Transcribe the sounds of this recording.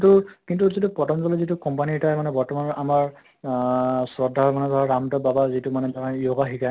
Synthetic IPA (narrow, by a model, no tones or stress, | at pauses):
tukintuzitupɔtɔnzɔlɔzitukɔmpanitajmanɛbɔɹtɔmanɔamaɹ | sɹɔdʱːamanɛbʱaɹamtɔbabazitumanɛtaaijoɡaxika